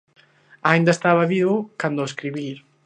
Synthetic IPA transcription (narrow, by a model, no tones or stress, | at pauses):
aĩnd̪ɐest̪aβɐβiβukand̪oeskɾiβiɾ